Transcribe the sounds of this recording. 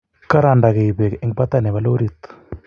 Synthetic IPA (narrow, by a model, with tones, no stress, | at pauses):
ka˦ɾa˨nda˨ɣe˨i˨bɛ˨kʔɛ˦ŋɡpa˦t̪a˦˨nɛ˨βa˨˦lo˦ɾi˦˨t̪